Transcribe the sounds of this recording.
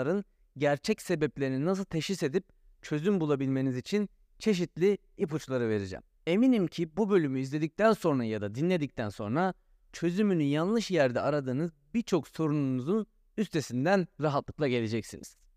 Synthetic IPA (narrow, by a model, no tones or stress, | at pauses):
ɾɯn | ɟæɾt͡ʃʰɛcse̞bɛplʲe̞ɾininas̬ɯlˠt̪ʰe̞ʃise̞d̪ip̚ | t͡ʃʰø̞zymbulˠabilʲme̞nizit͡ʃʰin | t͡ʃʰe̞ʃ̬it̪lʲi | iput͡ʃlˠaɾɯve̞ɾid͡ʒɛ̰m | e̞minimcʰibubø̞lʲymyizlʲe̞d̪ic̚t̪ʰænso̞nɾajad̪ad̪inlʲe̞d̪ic̚t̪ʰænso̞̰nɾa | t͡ʃʰø̞zymynyjanlˠɯʃjæɾd̪ɛaɾad̪ɯːnɯzbiɾt͡ʃʰo̞kso̞ɾununuzun | yst̪ʰe̞sind̪ænɾaɦat̪lˠɯklˠaɟe̞lʲe̞d͡ʒɛcsḭnḭz̥